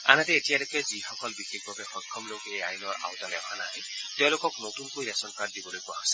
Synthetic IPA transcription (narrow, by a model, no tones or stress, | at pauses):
a̰nat̪eːtijalekezixɔkɔlbikʰek̚bʱɔbexɔjkʰːɔmlokeajnɔɹa̰wtɔnɛbana̰j | t̪j̃ʊ̃lokɔknotunkojɾɛsɔnkaɾ̚d̪ibɔlojkʊaɦosḁ